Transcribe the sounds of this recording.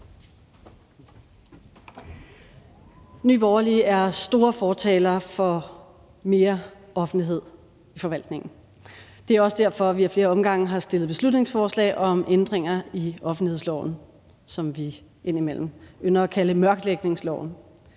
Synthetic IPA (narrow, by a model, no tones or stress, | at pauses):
ny̰ːb̥ɒʊɐliːæɐsd̥o̝ːɐfɒːt͡sʰɛ̰ːlɐfɒ̽ | me̝ːɐʔɒ̽fn̩liɦe̝ð̰ˠ | ifɒ̽ʋæl̰d̥ne̝ŋn̩ | d̥e̝æɐɒ̽səd̥æɐ̰fɒ̽ʋiæɐfle̝ːɐɒ̽mɡ̥ɑ̈ŋ̰̩ɦɑ̈sd̥e̝lð̩ˠb̥e̝slud̥ne̝ŋsfɒːslɛ̰ːɪʔɒ̽mʔend̥ʁeŋ̰ɐiɒ̽fn̩ihe̝ð̰ˠslɒ̰ʊn̩ | sɒ̽mʋi | ʔe̝n̰imel̰m̩ønɐɒkʰæləmɶɐɡ̥leɡ̥ne̝ŋslɒ̰ʊ̰n̩